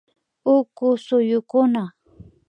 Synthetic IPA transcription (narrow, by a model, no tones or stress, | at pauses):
ʊkʊsʊjʊkʊna